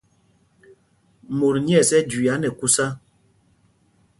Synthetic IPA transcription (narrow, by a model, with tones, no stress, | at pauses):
mo˨ɾɲi˦ɛ˦˨sɛ˦d͡ʒwi˨a˨˦nɛ˨ku˦sa˦